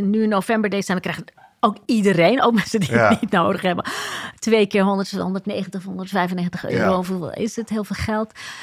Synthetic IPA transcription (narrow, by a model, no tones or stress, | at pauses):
nyɪnːowfɛmbəɹdezsɛnəkːrɛjχ | owkidərejno̰wk̚mɛnsədiənit̚nowdəχɦɛbə̰tʋejkɪːɹɦɔndəɹtɔ̰ndəɹtnejχəntəχɦɔndəɹtfɛjvənːeːχəntə̥χø̰ːɾowfuʋ̰ɪ̰sətɦɪːlˠveːlˠχɛlˠt